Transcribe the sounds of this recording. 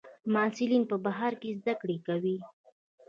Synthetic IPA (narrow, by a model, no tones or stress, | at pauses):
mɑsɪlinpəbaɦɑɾkezd̪akɽekawi